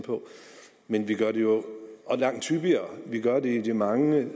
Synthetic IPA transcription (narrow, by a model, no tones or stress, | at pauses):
pʰɒ̽ | menʋiɡ̥ɶɐɾejo̝ʔɒ̽lɑ̈ŋ̰̥ʰyb̥iɐʋiɡ̥ɶɐded̥imɑ̈ŋə